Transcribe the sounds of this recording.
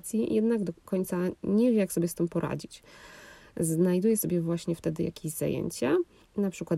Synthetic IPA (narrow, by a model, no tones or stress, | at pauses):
t̪sʲjijʔɛd̪naɡd̪ɔkɔɲʲt̪saɲɛvʲjɛjaksɔbʲjɛst̪ɘmpɔɾʔa̰d͡ʑit͡ɕ | znajd̪ujɛsɔbʲjɛvwaɕɲɛft̪ɛd̪ɘja̰kʲeʑza̰jḛɲt͡ɕa | napʂɘkwat̪